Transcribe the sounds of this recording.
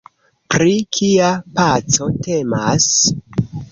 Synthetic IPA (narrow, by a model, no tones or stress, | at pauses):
pɾikʰiapat͡so̞te̞ma̰s